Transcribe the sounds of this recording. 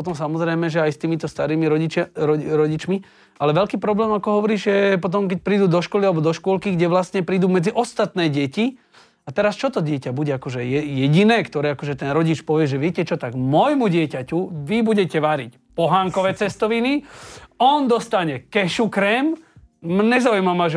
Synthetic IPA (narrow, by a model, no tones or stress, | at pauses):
pɔt̪ɔmsamɔzɾɛjmɛʒɛajst̪iːmit̪ɔst̪aɾiːmiɾɔit͡ʃɾɔɾɔɟit͡ʃmi | alɛʋɛʎkiːpɾɔblɛːmakɔɦɔʋɔɾiːʒjɛpɔt̪̬ɔmk̬ɛc̚pɾiːd̪uːd̪ɔʃkɔlialɛbɔd̪ɔʃkʊɔlkiɡɟɛʋlast̪ɲɛpɾiːd̪uːmɛd͡ziʔɔst̪at̪nɛːɟɛci | at̪ɛɾast͡ʃɔt̪ɔɟɪɛcabuɟɛakɔʒɛjɛjɛɟinɛːkt̪ɔɾɛːakɔʒɛt̪ɛnɾɔɟit͡ʃpɔʋɪɛʒɛʋɪɛcɛt͡ʃɔt̪aɡmɔjmuɟɪɛcacuʋibuɟɛcɛʋaɾḭc | pɔɦaŋkɔʋɛːt͡sɛst̪ɔʋiniɔnd̪ɔst̪aɲɛkɛʃukɾɛm | ɲɛzaujmamaʒ